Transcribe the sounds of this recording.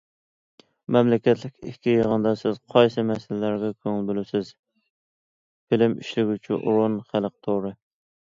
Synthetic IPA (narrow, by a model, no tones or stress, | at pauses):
mɛmlɪkʲɛt̪lɪkʲʰikʲːijəʁənd̪ɑsɪz̥qʰɑjsɨmɛsɪlɪlæɾɡʲɛkʲʰøŋɪlbølɪsɪz | fɪlɪmḭʃlɪɡʲyt͡ʃʰyʔɾonχælˠəq̚t̪ʰoɾɨ